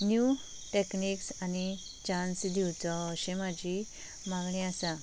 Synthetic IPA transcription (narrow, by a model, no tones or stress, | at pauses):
nju | ʈekniksani | t͡ɕãnsd̪ʱiwt͡sɔəɕẽmad͡ʑʱi | mãŋɡɳẽasa